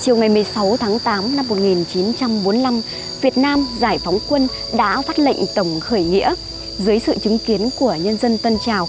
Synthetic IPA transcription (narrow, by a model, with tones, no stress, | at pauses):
t͡ɕi˨˩əwŋa˨˩jmɨ˨˩əjsa˨˦wt̪ʰaː˨˦ŋt̪aː˨˦mna˧mːo˨˩t̚ŋi˨˩nt͡ɕi˨˦nt͡ɕa˧mɓo˨˦nla˧m | vi˨˩ət̚naː˧mzaː˧˩jfa˨˦wŋ͡mkwə˧n | ɗa̰ː˧˥faː˦˥t̚lə̰˧˨ŋ̟t̪ə˧˩wŋ͡mxəː˧˩jŋḭ˧˥ə | zɨ˨˦əjsɨ̰˧˨t͡ɕɨ˨˦ŋki˨˦ənku˧˩əɲə˧nzə˧nt̪ə˧nt͡ɕaː˨˩w